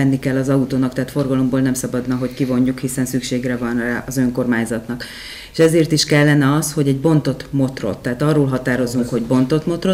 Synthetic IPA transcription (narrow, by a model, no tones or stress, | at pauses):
ɛnːikɛlːɒzɒut̪oːnɒkt̪ɛɦaːt̪fo̞rɡɒlo̞mboːlnɛmsɒbɒd̪nɒɦo̞ckivo̞ɲːukhisɛnsykʃeːɡrɛvɒnraːɒzø̞ŋko̞rmaːɲzɒt̪nɒk | e̥ʃɛzeːrt̪iʃkɛlːɛnɛɒsho̞ɟɛɟbo̞nt̪o̞t̪mo̞t̪ro̞̰t̪ːɛɦːt̪ɒrːoːlɦɒt̪aːɾo̞zːuŋkho̞ɟbo̞nt̪o̞t̪mo̞t̪ro